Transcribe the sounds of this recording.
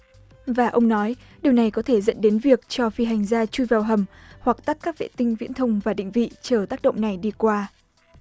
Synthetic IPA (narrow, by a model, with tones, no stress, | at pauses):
vaː˨˩ʔə˧wŋ͡mnɔ˨˦j | ɗi˨˩əwna˨˩jkɔ˨˦t̪ʰe˧˩zə̰˧˥nɗe˨˦nvi˨˩ək̚t͡ɕɔ˧fi˧˩ɦa˨˩jŋ̟zaː˧t͡ɕu˧jvaː˨˩wɦə˨˩mhwa˨˩k̚t̪a˦˥t̚kaː˦˥k̚vḛ˧˨t̪ï˧ŋ̟vḭ˧˥ənt̪ʰə˧wŋ͡mvaː˨˩ɗḭ˧˨ŋ̟vḭ˧˨t͡ɕəː˧˩t̪aː˦˥k̚ɗə̰˧˨wŋ͡mna˨˩jɗi˧kwaː˧